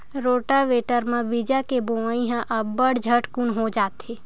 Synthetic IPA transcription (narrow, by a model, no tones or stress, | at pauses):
ɾoːʈaʋeːʈəɾmãʋid͡ʒakeboaĩɦãʔəbəɽd͡ʒʱəʈkunɦod͡ʒaːt̪e